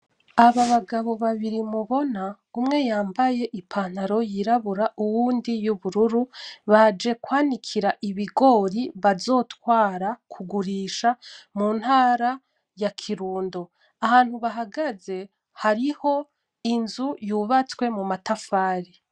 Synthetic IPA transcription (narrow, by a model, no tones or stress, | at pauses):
aβaβaɡaβo̞βaβiɾimuβo̞na | umŋe̞jaːmbaje̞ʔipʰaːn̥aɾo̞jiɾaβuɾaʔuwuːndijuβuɾuɾuβad͡ʒe̞kwaːnikʰiɾaʔiβiɡo̞ːɾiβazo̞ːtwaːɾakʰuɡuɾiːʃamuːn̥haːɾa | jakʰiɾuːndo̞ | ahaːn̥huβaɦaɡaze̞ | haɾiho̞ | inzujuβat͡swe̞mumatafaːɾi